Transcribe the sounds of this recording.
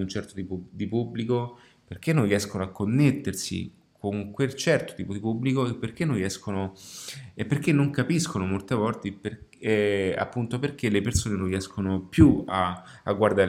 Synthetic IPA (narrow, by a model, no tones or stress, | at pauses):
unt͡ʃɛrt̪ot̪ipud̪ipubːliko | perk̟enːonriɛskonoakːonːet̪ːersḭ | kʰoŋkwelt͡ʃɛrt̪o̥t̪iːpod̪ipubːlikoepːerk̟enːõnriɛskono | epːerk̟enːoŋkapiskonomolt̪evɔlt̪ipeɛa̰pːunt̪operk̟elepersoːnenoriɛskonopjuaa̰ɡːward̪a